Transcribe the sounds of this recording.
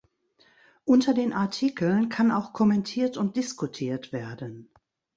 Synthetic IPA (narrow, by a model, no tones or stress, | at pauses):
ʔʊntʰɐdeːnʔaɐtʰikl̩nkʰanaʊxkʰɔmɛntʰiːɐtʊnt̚d̥ɪskutʰiːɐtv̥eːɐdən